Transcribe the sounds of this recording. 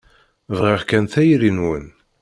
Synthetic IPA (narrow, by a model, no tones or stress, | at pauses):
vʁiʁkænθæjɾinwən